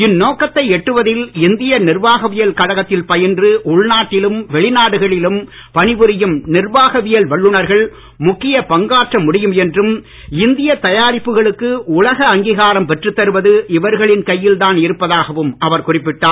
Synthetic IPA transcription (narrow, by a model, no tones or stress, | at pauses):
ɪnːoːkɐt̪ːɐɪɛʈːɯʋɐðɪlɪnd̪ɪjɐnɪrʋaːɣɐʋɪjɐlkɐɻɐɣɐt̪ːɪlpɐjɐndrɯʊɭnaːʈːɪlɯmʋɛɭɪnaːɽɯɣɐɭɪlɯm | pɐnɪʋɯɾɪjɯmnɪrʋaːɣɐʋɪjɐlʋɐɭːɯɳɐɾɣɐɭ | mʊkːɪjɐpɐŋɡaːʈrɐmːʊɽɪjɯmɛndrɯm | ɪnd̪ɪjɐt̪ɐjaːɾɪpːɯɣɐɭɯkːɯʊlɐɣɐɐŋɡiɣaːɾɐmpɛʈrɯt̪ːɐɾɯʋɐðɯʔɪʋɐɾɣɐɭɪnkɐjːɪlt̪aːnɪɾɯpːɐðaːɣɐʋɯmɐʋɐɾkʊrɪpːɪʈːaː